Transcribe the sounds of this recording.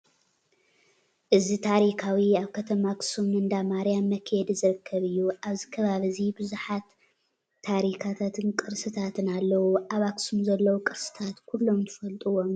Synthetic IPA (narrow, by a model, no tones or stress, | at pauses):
ʔɨzit̪ʰaɾikʰawiaβkʰɐt̪ʰɐmaksumɨnd̪amaɾijamːɐkʰed̪izɨɾɨkʰːɐβɨjːuʔaβzikʰɐβaβɐzibɨzuħat̪ʰː | aɾikʰat̪ʰat̪ʰɨnkʼɨɾsɨt̪ʰat̪ʰɨnalːɐwuʔaβaksumzɐlːɐwukʼɨɾsɨ̥t̪ʰat̪kʰulːo̞mt̪ʰɨfɐlt̪ʼuwom